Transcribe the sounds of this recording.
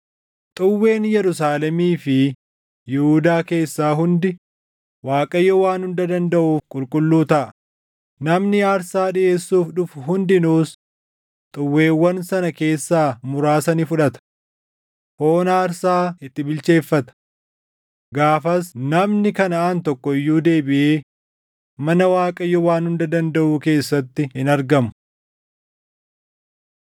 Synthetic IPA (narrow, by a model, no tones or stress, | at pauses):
t̪ʼʊwːe̞ːnjɛɾʊsaːlɛmiːfɪ | jɪhuːd̪aːke̞ːsːaːɦʊnd̪ɪ | waːkʼɐjːɔwaːnhʊnd̪ɐd̪ɐnd̪ɐʔuːfkʼʊlkʼʊlːuːt̪ɐʔɐ | nɐmnɪaːɾsaːᶑɪʔe̞ːsːuːfᶑʊfɦʊnd̪ɪnuːs | t̪ʼʊwːe̞ːwːɐnsɐnɐke̞ːsːaːmʊɾaːsɐnifʊᶑɐt̪ɐ̥ | hoːnaːɾsaːɪt̪ːɪbɪlt͡ʃe̞ːfːɐt̪ɐ̥ | ɡaːfɐsnɐmnɪkɐnɐaːnt̪ɔkːɔɪjːuːd̪e̞ːbɪʔeː | mɐnɐwaːkʼɐjːɔwaːnhʊnd̪ɐd̪ɐnd̪ɐʔuːke̞ːsːɐt̪ːɪɪnɐɾɡɐmʊ̥